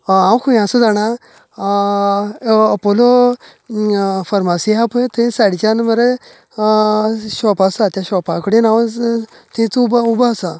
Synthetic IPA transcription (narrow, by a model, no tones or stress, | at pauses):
ãwkʰuj̃ãsud͡zaña | pɔlo | fəɾmasiapət̪əĩsaɽit͡ɕanməɾe | ɕɔpasat̪jaɕɔpakɽinaw | t̪ẽt͡sububasa